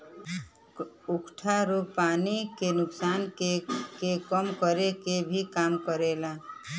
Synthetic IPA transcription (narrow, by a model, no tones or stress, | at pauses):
ʊkʈʰaɾopaːnikenʊksaːnkekekəmkəɾekebʱikaːmkəɾeːlaː